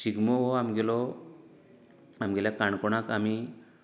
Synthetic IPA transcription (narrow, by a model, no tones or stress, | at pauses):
siɡmɔɔamɡɛlɔ | amɡɛljakaɳkɔɽakami